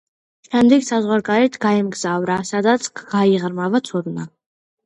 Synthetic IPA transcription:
ʃɛmd̪ɛɡsazʁwaɾɡaɾɛt̪ʰɡ̥aɛmɡzavɾasad̪at̪sʰɡɡaiʁɾmavat̪sʰuɾna

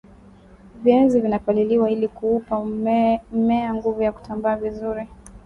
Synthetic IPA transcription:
viɛnzivinakaliliwailikuupa | mɛaŋɡuvujaku̥tambaːvizuɾi

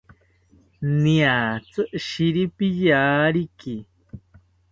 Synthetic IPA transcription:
nĩat͡sɨʔʃiɾipijaːɾiki

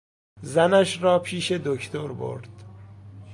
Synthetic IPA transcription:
zænæʃɾɒːpʰiːʃe̞d̪ocʰt̪ʰoɾbo̰ɾd̪̥

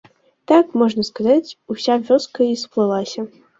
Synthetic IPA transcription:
t̪akmɔʐnɐskazat͡sʲusʲavʲɔskɐisplˠɨlˠasʲɐ

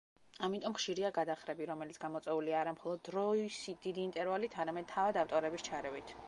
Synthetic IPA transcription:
amit̪ʼɔmχʃiɾiaɡad̪aχɾɛbiɾɔmɛlit̪sʰɡ̥amɔt̪sʼwɛuliaːɾamχɔlˠɔd̪ːɾɔisid̪̥id̪iːnt̪ʼɛɾvalit̪ʰaɾamɛd̪̥̚t̪ʰːavad̪aft̪ʼɔɾɛbist͡ʃʰaɾɛvit̪ʰ

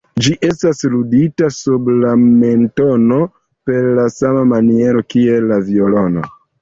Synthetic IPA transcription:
d͡ʒiʔe̞stasluditasublame̞nto̞no̞ | pe̞ɾlasamamanie̞ɾo̞kie̞lːavio̞lo̞no̞̰

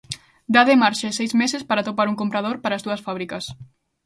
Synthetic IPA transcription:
d̪aðemaɾʃaesɛjzmesespaɾat̪opaɾuŋkompɾɐð̞oɾpaɾazd̪uɐsfaβɾikɐs

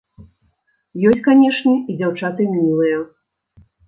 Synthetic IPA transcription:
jɔsʲtʲt͡sʲkanʲɛʂnʲɛid͡zʲawt͡ʂat̪ɨmʲmʲilˠɨjɐ

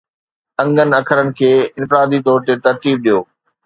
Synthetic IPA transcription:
ɐ̃ŋɡənɪ̆ɐkʰəɾənɪ̆kʰeːɪ̃nfɪɾaːd̪it̪ɔːɾt̪et̪ɐɾt̪iːb̚ɗijoː

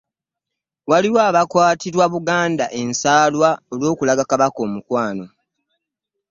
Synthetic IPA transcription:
waliwaːβakwaːtiɾwaβuɡaːndaʔe̞nsaːlwaolwo̞ːkulaɡakaβako̞ːmukwaːno̞

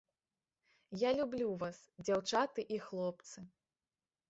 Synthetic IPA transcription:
jalʲublʲuvasd͡zʲawt͡ʂat̪ɨʔixlˠɔpt̪sɨ

